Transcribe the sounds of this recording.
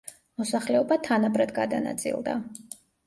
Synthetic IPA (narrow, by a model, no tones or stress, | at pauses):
mɔsaχlɛɔbat̪ʰanabɾɛd̪ɡad̪a̰na̰t̪sʼḭlˠd̪a̰